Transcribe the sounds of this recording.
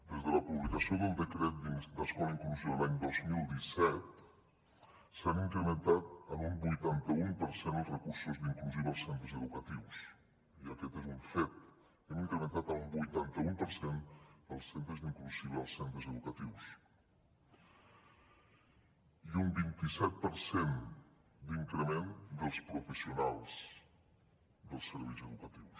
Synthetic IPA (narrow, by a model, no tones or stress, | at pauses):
d̪ezðələpuβlikəsioðəlˠd̪əkɾɛt̪̚d̪id̪əskɔləiŋkluzoəlaɲd̪ozmilˠd̪isɛt̪̚ | saniŋkɾəmənt̪at̪̚əmumbujt̪ant̪əumpəɾsenəlˠzrəkuɾsuzðiŋkluziβəlˠsent̪ɾəzəðukət̪iws | iəkɛt̪ezuɱfet̪̚ | emiŋkɾəmənt̪at̪əlmbujt̪ant̪əumpəɾsend̪əlˠsent̪ɾəzðiŋkluziβəlˠsent̪ɾəzəðukət̪iws | iumbint̪isɛt̪̚pəɾsen | d̪iŋkɾəmend̪əlˠspɾufəsiunalˠs | d̪əlˠsəɾβejzəðukət̪iws